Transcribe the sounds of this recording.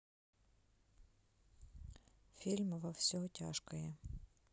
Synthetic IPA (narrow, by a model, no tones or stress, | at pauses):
fʲilʲmvɐfsʲɔtʲaʂkɐjɛ